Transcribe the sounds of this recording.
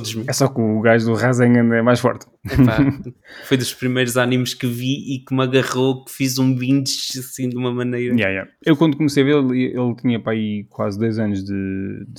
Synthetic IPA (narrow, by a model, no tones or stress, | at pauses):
d̪oʒmiɛsɔkuːɣaʒðuʁazɐ̃ŋɡɐ̃nɛmajʃfɔ̰ɾt̪ | afojðuʃpɾimɐjɾuzanimʃkɨviikmɐɣɐʁokfizũbĩnd̪ʃɐsĩd̪umɐmɐnɐjɾɐjɛjɛ̰ | ewkwɐ̃nd̪ukumsejɐvelˠeʔelˠt̪iɲɐpɾaikwazd̪ojzɐnuʒðɨd̪